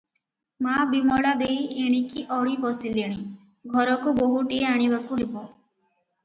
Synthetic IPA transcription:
mabimɔɭad̪ejeɽ̃ikiʔɔɽ̤ibɔsileɽ̃i | ɡʱɔɾɔkuboɦuʈieaɽ̃ibakuɦebɔ

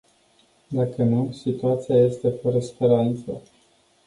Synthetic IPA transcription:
d̪akənusit̪uat̪sijaje̞st̪e̞fəɾəspe̞ɾant̪sə

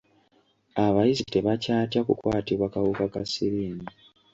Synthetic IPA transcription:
aβajizite̞βacaːtjakukwaːtiβwakawukakasiɾiːmi

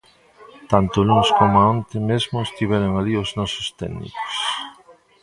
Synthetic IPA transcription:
t̪ant̪ʊlunskomʊaõnt̪ɪmezmʊest̪iβ̞ɛɾʊŋalioznɔsʊst̪ɛ̰nḭko̥s

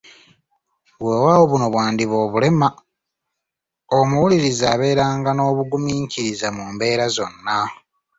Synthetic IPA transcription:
βwe̞ːwawoβuno̞βwaːndiβo̞ːβule̞ma | omuwuliɾizaːβe̞ːɾaːŋɡano̞ːβuɡumiːɲciɾizamuːmbe̞ːɾazo̞nːa

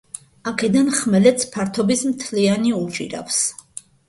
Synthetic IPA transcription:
akʰɛd̪anχmɛlɛt̪sʰpʰaɾt̪ʰɔbismt̪ʰlianiut͡ʃʼḭɾa̰fs

